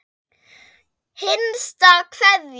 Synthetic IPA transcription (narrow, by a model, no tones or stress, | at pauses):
hɪnstɔkfɛðj